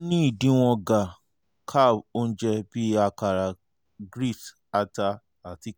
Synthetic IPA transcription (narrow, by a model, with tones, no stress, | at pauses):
nĩ˦i˦˨dĩ˨˦w̃ɔ̃˧ɡa˨ | kʰa˦˨o˦n̩˦d͡ʒɛ˧bi˦a˧ka˨ɾa˨ | ɡɾi˦˨t | a˧ta˧ | a˨ti˧